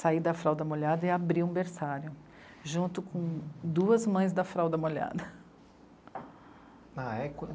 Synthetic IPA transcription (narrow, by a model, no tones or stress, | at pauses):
said̪ɐfɾawd̪ɐmoʎad̪ɐɪabɾĩĩbeɾsaɾjʊ | ʒũnt̪ʊkõd̪uɐzmɐ̃j̃zd̪ɐfɾawd̪ɐmoʎa̰d̪ɐ | aɛk